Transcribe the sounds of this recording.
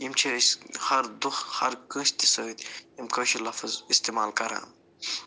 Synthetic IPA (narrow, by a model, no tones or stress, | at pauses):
jimt͡ʃʰeshɐɾd̪uxhɐ̰ɾkə̃st̪i̥sɐːit̪imkɐːʃilɐfɐzist̪emaːlkɐɾã̰ːn